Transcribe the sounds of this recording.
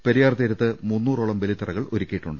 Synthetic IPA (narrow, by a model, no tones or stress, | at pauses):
pe̞ɾijaːrt̪iːɾɐt̪ːɨmunːuːroːɭɐmʋelit̪ːirɐɣɐɭo̰ɾikʲːijiʈːuɳɖɨ